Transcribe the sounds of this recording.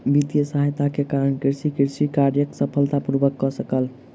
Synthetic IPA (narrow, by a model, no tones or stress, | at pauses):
bid̪jəsəɦajt̪akekaɾənkɾiɾsikiɾsikaɾjəksəpʰəlt̪apuɾbəkːɔsəkəl